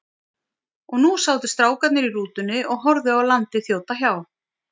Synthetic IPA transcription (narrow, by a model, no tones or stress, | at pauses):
ɔɣnusaːwt̪ɪst̪ɾaːwkat̪nɪɾiɾuːt̪ʏnːɪʔɔɣɦɔɾðʏawlant̪ɪθjowt̪açjaːw